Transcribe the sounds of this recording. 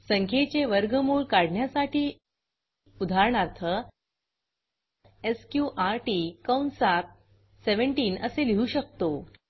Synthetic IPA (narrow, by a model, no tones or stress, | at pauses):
səŋkʰet͡ɕeʋəɾɡəmuːɭkaɽ̤ʱɳjasaʈʰiː | ud̪ʱaɾɳaɾt̪ʰə | eskjuʔaɾʈiːkəwnsap̚ | seʋəɳʈiːnəseliuɕək̚t̪o